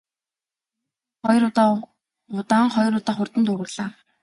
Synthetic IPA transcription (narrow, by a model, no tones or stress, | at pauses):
χɔjr | ʊt̪aːŋχɔjɾʊt̪aːχʊrt̪ə̆nt̪uɾɘ̆rɮaː